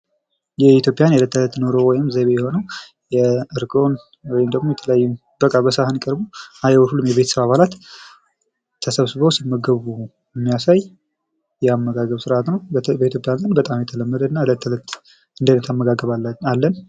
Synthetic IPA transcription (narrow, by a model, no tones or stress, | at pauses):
jɛit̪jo̞pʼːjanjalət̪ːələt̪ːnoɾo̞wɔjɪmzeβejɛho̞nəw | jɛɨɾɡo̞n | wɔjɪmd̪əɡmojɛt̪ʰələjajːum | bəkʼːabəsəahɨnkʼəɾbuajwɔhulumjɛβe̞t̪ʰəsəβaβalat̪ | t̪ʰːəsəβsɨβəwsimːəɡəβu | jɛmːijasaj | jɛamːəɡaɡəβsɨɾʔat̪nəwbəit̪ʰjo̞pʼjanzʼənbət̪ʼamjɛt̪ʰələmːəd̪əɨnːaɨlət̪ʰːələt̪ | ɨnd̪ənət̪ʰamːəɡaɡəβalːən